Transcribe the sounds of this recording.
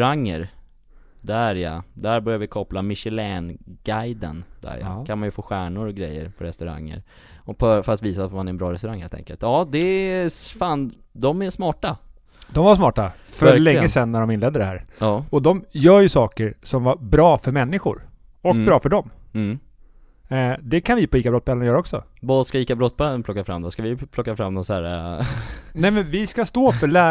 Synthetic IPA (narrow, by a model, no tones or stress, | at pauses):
ɾaŋːə̰ɾ | d̪æɾja̰d̪æɾbœɾjavɪkʰɔpːlamɪʂɛlɛːnɡ̥ajd̪ə̰nd̪̥æ̰ɾja̰kʰanmanjɵfoːɧæːɳʊɾɔɡɾɛjːə̰ɾpʰɔɾɛst̪ɵɾa̰ŋːə̰ɾ | ɔpʰɔfœɾat̪viːsat̪manɛɾɛnbɾɑːɾɛst̪ɾaŋheːlt̪ɛ̰ŋkəlt̪jɑːd̪ɛ | faːn | d̪ɔmæʂmɑːʈa | d̪ɔmvaʂmɑːʈa | fœɭɛŋːəsɛnːæɖɔmɪnlɛːd̪ːəɖɛhæ̰ːɾɑɔd̪ɔmjœːɾjɵsɑːkəɾsɔmvaɾbɾɑːfœɾmɛnːɪɧʊ̰ɾ | ɔk̚bɾɑːfœɖɔm | d̪ɛkʰanvɪpʰɔiːkabɾɔt̪bɛlanjœːɾaɔksɔ̰vɑskaiːkabɾɔt̪̚ːbɛlənpʰlɔkːafɾa̰md̪ɔskavɪpʰlɔkːafɾamːnɔnsæ̰ːɾa̰ | nɛmɛnvɪskast̪oːfœɭæː